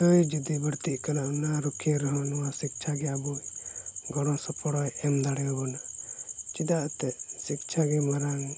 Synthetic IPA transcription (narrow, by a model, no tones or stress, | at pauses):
ɔjd͡ʒid̪ibəɽt̪iʔkalaʔnaɾukʰeɾɔɦɔnuwasik̚t͡ʃʰaɡɛabujɡɔɽ̃ɔ̃sɔpɔɽɔjɛmd̪aɽɛjɔbɔnat͡ʃid̪aʔt̪ɛʔsikt͡ʃʰaɡɛmaɾaŋ